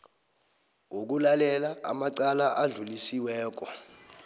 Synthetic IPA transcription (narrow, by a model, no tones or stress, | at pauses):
wok̬ulalɛlaʔa̰maǀalaʔaɮulisiwɛːk̬ɔ